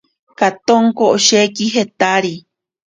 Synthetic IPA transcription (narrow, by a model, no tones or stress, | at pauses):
kat̪oŋkoʔoʃekiɦet̪aɾi